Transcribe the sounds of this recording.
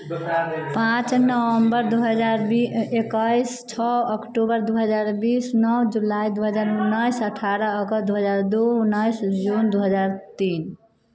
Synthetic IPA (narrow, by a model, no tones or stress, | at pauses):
pãt͡ʃnəwəmbəɾd̪uɦəd͡ʒaɾekəjst͡ʃʰɔəkʈobəɾd̪uɦəd͡ʒaɾbisnɔwd͡ʒulaid̪uɦəd͡ʒaɾunːəjsəʈʰaɾəːkəd̪uɦəd͡ʒaɾd̪ounːəjsd͡ʒund̪uɦəd͡ʒaɾt̪in